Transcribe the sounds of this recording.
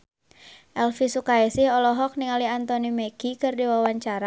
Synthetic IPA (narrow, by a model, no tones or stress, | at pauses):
ʔɛlfisukaɛsɪhɔlɔɦɔk̚niŋaliant̪ɔnimɛkikɨrdiwawaɲt͡ʃaɾa